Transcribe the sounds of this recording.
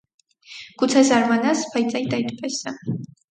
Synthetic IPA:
ɡ̥ut̪sʰazaɾmanaspʰait̪t͡s̪ʼaid̪ait̪ʼpʼɛsa

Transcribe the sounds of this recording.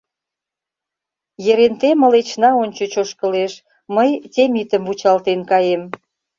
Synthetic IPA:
jeɾent̪emə̆let͡ɕnɑonʲt͡ɕot͡ɕoʃkə̆leʃ | məjtʲemit̪əmvut͡ɕɑlt̪enkɑjem

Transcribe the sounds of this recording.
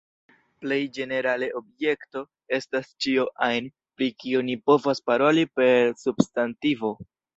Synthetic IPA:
ple̞jd͡ʒe̞ne̞ɾale̞ʔo̞bje̞kto̞ | e̞stast͡ʃioʔajn | pɾikionipo̞vaspaɾo̞lipe̞ɾsubstantivo

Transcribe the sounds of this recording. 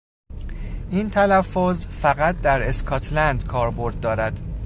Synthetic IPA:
ʔiːnt̪ʰælæfːozfæɣæt̪̚d̪æɾeskʰɒːt̪ʰlænd̪kʰɒːɾbo̞ɾd̪̚ːɒːɾæd̪̥

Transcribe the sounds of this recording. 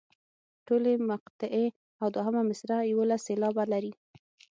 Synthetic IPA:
ʈolemaqt̪ɪʔe | awd̪waɦəmamɪsɾajwolasːelɑbalaɾi

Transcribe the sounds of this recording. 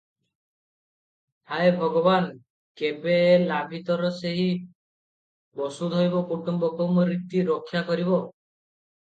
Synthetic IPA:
haebʱɔɡɔban | kebelabʱit̪ɔɾɔseɦi | bɔsud̪ʱojbɔkuʈumbɔkɔmɔɾit̪iɾɔkʰːjakɔɾibɔ

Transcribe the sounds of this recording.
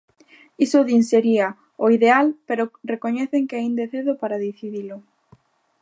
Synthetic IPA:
isʊðinseɾia | oiðealpeɾorekoɲɛθeŋkeaind̪eθeðʊpaɾaðiθiðilʊ

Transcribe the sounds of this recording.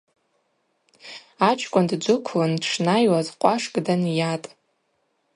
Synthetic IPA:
at͡ʃʰkʷʼʊndd͡ʒʷʊkʷʰlandʂnajwazqʷʼaʂɡʼdanjatʼ

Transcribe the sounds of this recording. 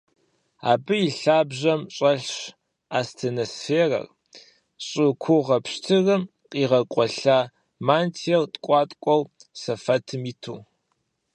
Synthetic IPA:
a̰ːbɨjiɬaːbʑɐmɕʼɐɬɕ | aːstʰeːnosfeːrɐ̰r | ɕʼɨkʷʰʊʁɐpɕtʰɨrɨm | qʼiːʁɐkʷʼɔɬaː | maːntʰiɛrtʼkʷʼɑːtʼkʷʼɔwsɐfɐtʰɨmitʰuː

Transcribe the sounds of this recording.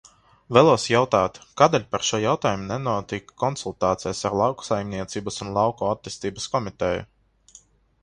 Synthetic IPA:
væːlˠuɔsjawt̪aːt̪kaːd̪ɛlʲpaɾʃuɔjawt̪aːjumunɛnuɔt̪ikːɔnsulˠt̪aːt̪sɛjsaɾlˠawksajmʲniɛt̪siːbasunlˠɑwkɔːat̪ːiːst̪iːbaskɔmit̪ɛjṵ

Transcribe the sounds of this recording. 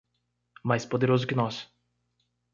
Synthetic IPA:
majspod̪eɾozʊkɪnɔs

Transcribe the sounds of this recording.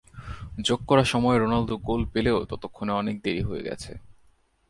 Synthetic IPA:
d͡ʑoɡ̚kɔɾaʃɔmɔeɾonald̪oɡolpeleot̪ɔt̪okʰːoneɔnek̚d̪eɾiɦoḛɡɛ̰t͡ɕʰḛ

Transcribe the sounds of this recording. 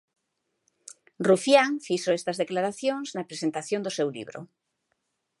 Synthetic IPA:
rufjaŋfisoest̪azðeklaɾaθjõŋznapɾesent̪aθjõnd̪osewlḭβɾo̰

